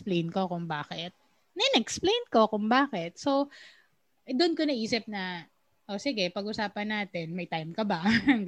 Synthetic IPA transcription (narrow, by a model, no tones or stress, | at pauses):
plejnkokʊŋbaːkɛt̪̚ | nɐɪnɛʔɛksplejnko̞kʊŋbaːkɛt̪̚so | d̪ʊnkonɐʔiːsɪp̚nɐ | ʔosɪɡɛpɐɡʔʊsaːpɐnːaːt̪ɛnmɐjt̪ajmkɐbɐ